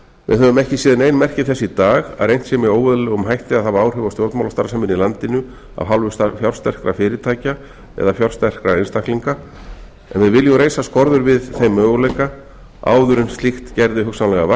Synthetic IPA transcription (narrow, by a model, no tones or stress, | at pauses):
vɪ̰ðhœvʏmɛhcɪsiːðanejnmɛr̥cɪθɛsːɪit̪aːɣa̰ðrejnt̪sɛmɪoːwvʏðlɛːɣʏmɦajht̪ɪaðhavaaːwr̥hʏvawstjowɾt̪mawlast̪aɾsamɪnilant̪ɪnʏ | a̰vɦalvʏsfjawl̥st̪ɛr̥kɾafɪːɾɪt̪ʰaːjca | ɛ̰ðafjawr̥st̪ɛr̥kɾaejnst̪akliŋka | ɛ̰nvɪðvɪljɔwɾejsaskɔɾðʏɾvɪðθejmœːɣʏlejka | a̰ːwðʏɾɪnst̪lixt̪cɛɾðɪɦʏksanlɛɣava